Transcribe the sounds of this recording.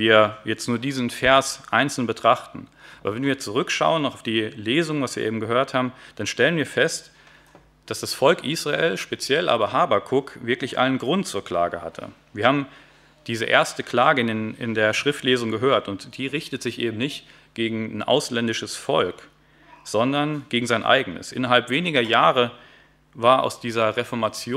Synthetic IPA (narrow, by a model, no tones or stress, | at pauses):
viːɐjɛt͡stnuːɐdiːzn̩fɛɐsʔaɪnt͡sl̩nbətʁ̥aχtn̩ʔaːbɐvɛnviːɐt͡suʁ̞ʏkʃa̰ʊənʊfd̥iːleːzʊŋvasv̥iːɐeːbm̩ɡəɦøːɐthaːbm̩d̥anʃtɛlənviːɐfɛst | d̥asd̥asfɔlkʔiːsʁaeːlʃpet͡sjɛlʔa̰ːbɐɦaːbakʰʊkvɪɐklɪçʔa̰lnənɡʁʊntt͡suːɐkl̥a̰ːɡəha̰tʰə̰ | viːɐhaːbm̩ | d̥iːzəʔḛːɐstəkʰl̥aːɡəɪnenɪ̰ndeːɐʃʁ̥ɪftleːzʊŋɡəɦøːɐtʊntd̥iːʁɪçtətz̥ɪçʔeːbm̩nɪçt | ɡ̥eːɡŋ̩nʔa̰ʊslɛndɪʃəsfɔlk | z̥ɔndɐnɡ̥eːɡŋ̩zaɪnʔa̰ɪɡənə̰sʔɪ̰nɐɦalpv̥eːnɪɡɐjaːʁə | vaːɐʔa̰ʊsd̥iːzɐʁɛfɔɐmat͡sjo